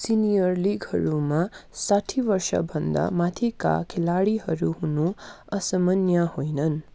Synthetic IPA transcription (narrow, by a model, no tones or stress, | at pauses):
sinijʌrliɡhʌ̰ɾumasaʈʰibʌrsʌ̰bʱʌnd̪a̰mat̪ʰika̰kʰelaɽiɦʌɾuɦunu | ʌsʌmʌnjʌhojnʌn